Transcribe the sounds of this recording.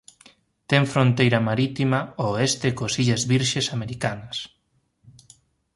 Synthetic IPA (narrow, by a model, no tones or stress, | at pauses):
t̪ɛŋfɾont̪ejɾɐmaɾit̪imaoest̪ekosiʎazβiɾʃesameɾikanɐs